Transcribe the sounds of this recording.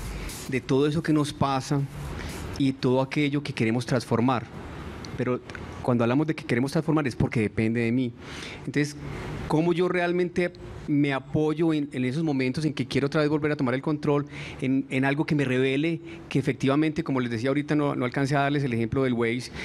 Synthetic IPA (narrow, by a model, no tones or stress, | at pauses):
d̪e̞t̪o̞ðoe̞s̬o̞ke̞no̞spasa | iðet̪o̞ðoake̞ʝo̞ke̞ke̞ɾe̞mo̞st̪ɾansfo̞ɾmaɾpe̞ɾokwand̪oaβlamo̞zd̪e̞keke̞ɾe̞most̪ɾãnsfo̞ɾmaɾe̞spoɾke̞ðe̞pe̞nd̪e̞ðe̞mi | ent̪o̞nsesko̞mo̞ʝo̞realmẽ̞nt̪e̞me̞apo̞ʝo̞enene̞s̬o̞zmõ̞mẽnt̪o̞s̬e̞ŋke̞kjeɾoot̪ɾaβe̞zbo̞lbe̞ɾat̪o̞maɾe̞lko̞nt̪ɾo̞lenenalɡo̞ke̞me̞re̞β̞e̞le̞ | ke̞ːfek̚t̪iβamẽnt̪e̞ko̞mo̞lezd̪es̬iao̞ɾit̪anonoalkans̬eaðaɾle̞s̬elexe̞mploðe̞lwejs